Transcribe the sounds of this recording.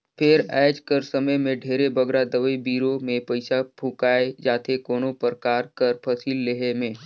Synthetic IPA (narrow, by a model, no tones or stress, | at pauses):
pʰɪɾɛːd͡ʒkəɾsɐməjmẽɖʱeːɾebɐɡɾad̪əʋəibiːɾomẽpɐɪsabʱʊkaːed͡ʒaːt̪ʰekoːnopəɾkaːɾkɐɾpʰɐsiːlːeɦemẽː